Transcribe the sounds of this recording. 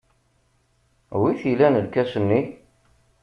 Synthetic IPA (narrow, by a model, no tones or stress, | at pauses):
wiθilænəlkæsənːi